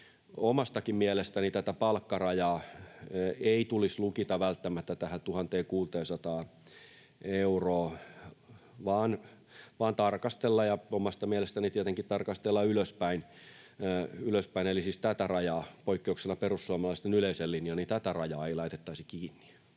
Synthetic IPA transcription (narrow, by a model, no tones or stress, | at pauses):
omɑst̪ɑkimmiælest̪ænit̪æt̪æpɑlkːɑrɑjɑː | eit̪ulislukit̪ɑʋælt̪ːæmæt̪ːæt̪æhæt̪uhɑnt̪eːkuːt̪eːsɑt̪ɑː | euroː | ʋɑːn | ʋɑːnt̪ɑrkɑst̪elːɑjɑomɑst̪ɑmiælest̪ænit̪iet̪eŋkit̪t̪ɑrkɑst̪elːɑyløspæin | yløspæinelisiːst̪æt̪ærɑjɑːpoikːeuksenɑperussuɑmɑlɑˑist̪enyleiselːinjɑnit̪æt̪ærɑjɑːeilɑit̪et̪ːɑisikiːnːi̥